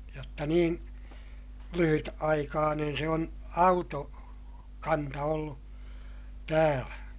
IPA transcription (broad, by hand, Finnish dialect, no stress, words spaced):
jotːɑ niːn lyhytɑikɑːnen se on ɑuto kɑntɑ olːu tæːlæ